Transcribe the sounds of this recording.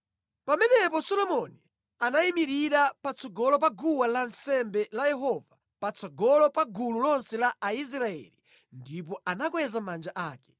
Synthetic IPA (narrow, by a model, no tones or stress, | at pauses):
pamɛnɛpɔsɔlɔmɔni | anaimiɾiɾapat͡sʰɔɡɔlɔpaɡuwalansɛmbɛlajɛɦɔva | pat͡sɔɡɔlɔpaɡululɔnsɛlaʔais̬ɾaɛ̰li | ndip̬ɔanak̬wɛzamand͡ʒaʔaːkɛ̥